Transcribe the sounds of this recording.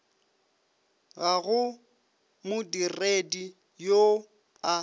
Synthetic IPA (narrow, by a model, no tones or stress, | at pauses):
ɣaɣʊ | mʊdiredi | jo | a